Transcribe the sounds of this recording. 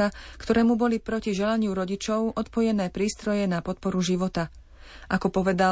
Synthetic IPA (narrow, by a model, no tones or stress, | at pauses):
akt̪ɔɾɛːmubɔlipɾɔciʒɛlaɲɪuɾɔɟit͡ʃɔʊʔɔt̪pɔjɛnɛːpɾiːst̪ɾɔjɛnapɔt̪̚pɔɾuʒiʋɔt̪a | ʔakɔpɔʋɛd̪a